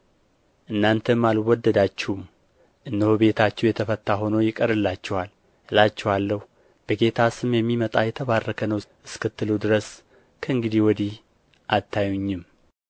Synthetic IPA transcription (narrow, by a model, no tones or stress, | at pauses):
ʔɨnːant̪ʰəmalwɔd̪ːəd̪at͡ʃːɛum | ʔɨnːɨhobe̞t̪ʰat͡ʃːɛwjɛt̪ʰəfət̪ːaɦo̞nojɪkʼəɾɨlːat͡ʃːɛhwal | lat͡ʃːɛwalːəhu | b̥əɡe̞t̪ʰasɨmjɛmːimət̪ʼajɛt̪ʰəβarːəkʰənəwʔɨskɨt̪ːɨlud̪ɨɾəs | kʰəɨŋɡɨd̪ihwɔd̪ih | ʔat̪ːajuɲːɪm